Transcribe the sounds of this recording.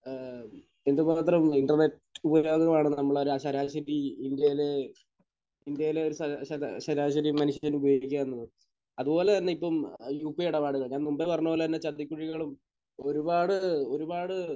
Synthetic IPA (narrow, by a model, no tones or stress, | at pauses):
end̪ɨmaːt̪rɐmiɳɖɐrneʈ | ubɐjo̞ːɣɐɐmaːɳɨnɐmːɐɭoɾuɐɕɐɾaːɕɐɾiind̪jɐjile | ind̪jɐjile̞o̞ɾusɕɐɕɐɾaːɕɐɾimɐnuʂɐnubɐjoːɡikʲːaːenːɐðɨ | ɐðubo̞ːleɐnːeipːɐmjuːpːiɐɽɐpaːɽɨɣɐɭɲaːnumbepɐrɐɲːuoːlet̪ɐnːet͡ɕɐt̪ːikʲːuɻiɣɐɭum | o̞ɾubaːɽɨo̞ɾubaːɽɨ